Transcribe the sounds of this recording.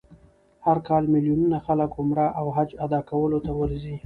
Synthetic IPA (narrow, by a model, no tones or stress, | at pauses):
haɾkɑlmɪljununaxaləkʊmɾaʔawɦad͡ʒad̪ɑkawəlot̪awəɾzi